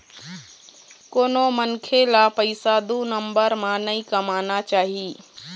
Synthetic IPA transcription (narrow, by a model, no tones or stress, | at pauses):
koːnomɐnkʰelapɐɪsad̪unə̃mbəɾmãnɐĩkɐmaːnat͡ʃaːɦiː